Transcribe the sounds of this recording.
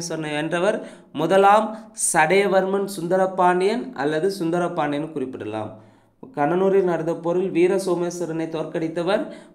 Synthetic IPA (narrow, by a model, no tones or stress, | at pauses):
sɐɾɐnɐɪɛndrɐʋɐɾ | mʊðɐlaːmsɐɽɐjɐʋɐɾmɐnsʊnd̪ɐɾɐpːaːɳɖɪjɐnʔɐ̰lːɐðɯsʊnd̪ɐɾɐpːaːɳɖɪjɐnkʊrɪpːɪɽɐla̰ːm | kɐɳɐnuːɾɪlnɐɾɯðɐpːɔɾɯlʋiːɾɐsoːmɐsɐɾɐnɐɪt̪oːrkɐɽɪt̪ːɐʋɐɾ